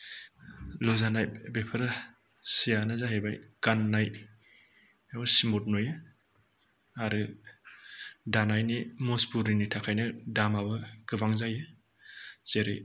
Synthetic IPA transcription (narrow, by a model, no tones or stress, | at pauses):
lozanajbepʰɯɾa | sijanazaɦebajɡanːaj | awsimut̚nojɯ | aɾɯ | danajnimɔspuɾinitʰakʰajnɯdamaβɯɡ̥ɯbaŋzajɯ | z̥eɾɯ̰j